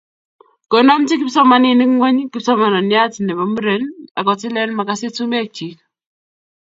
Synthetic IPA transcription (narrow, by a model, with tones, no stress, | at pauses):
ko˨nɔ˦mti˦kɪ˦psɔ˦ma˨nɪ˨nɪ˦kŋwe˦ɲkɪ˦psɔ˦ma˨nɔ˨nja˦ti˨nɛ˨ba˨mu˦ɾe˨˦na̰˨kɔ˨tɪ˦lɛ˦nma˨ka˦se˦tu˦m˦a˨t͡ʃi˨k